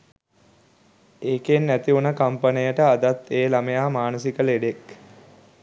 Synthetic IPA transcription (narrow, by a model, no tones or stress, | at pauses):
eːkenːæt̪iunəkampənijəʈəad̪at̪ːeːlamejaːmaːnəsikəleɖek